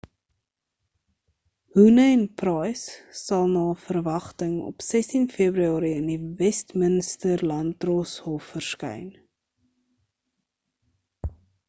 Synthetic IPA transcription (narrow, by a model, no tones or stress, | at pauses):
hunəɛnprɑjsːɐlˠnɑːfərvɐχtəŋɔ̰psɛstinfiəbɾyɑːɾiəndivɛstmənstərlɐntrɔshɔfːərskœ̰jn